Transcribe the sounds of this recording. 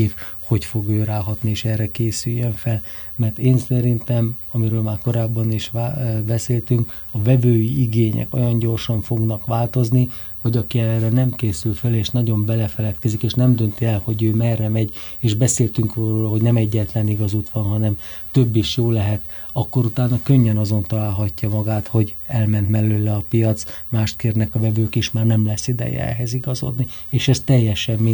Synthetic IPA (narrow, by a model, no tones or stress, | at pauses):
fho̞cfo̞ɡøːɾaːɦɒt̪nieːʃɛrːɛkeːsyjːøɱfɛl | mɛrt̪eːnsɛɾint̪ɛmɒmiɾøːlmaːrko̞ɾaːbːɒniʃbɛseːlt̪yŋk | ɒvɛvøːjiiɡeːɲɛ̰kojɒɲɟo̞rʃɒɱfo̞ɡnɒkʋaːlt̪o̞zni | ho̞ɟɒkiɛrːɛnɛmkeːsylfɛleːʃnɒɟo̞mbɛlɛfɛlɛt̪kɛzikeːʃnɛmd̪ønt̪iɛlho̞ɟøːmɛrːɛmɛɟeːʒbɛseːlt̪yŋkoɦo̞ɟnɛmɛɟːɛt̪lɛniɡɒzut̪ʋɒnɦɒnɛm | t̪ø̞bːiʃjoːlɛɦɛt̪ | ɒkːo̞ɾut̪aːnɒkøɲːɛnɒzo̞nt̪ɒlaːlɦɒcːɒmɒɡaːt̪ho̞ɟ | ɛlmɛnt̪mɛløːlːɛɒpijɒt̪smaːʃt̪̚keːrnɛkɒvɛvøːkiʃmaːrnɛmlɛsːid̪ɛ̰jɛ̰ɛ̰ɦɛziɡɒzo̞̰d̪ni | eːʃɛst̪ɛjːɛʃɛmːi